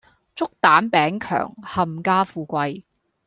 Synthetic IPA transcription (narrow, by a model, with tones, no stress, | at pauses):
t͡sʊ˥k̚t̪aː˨˥npɛː˨˥ŋkʰœ̰ː˨˩ŋhɐ˨˩mkaː˥fuː˧kʷɐ˧j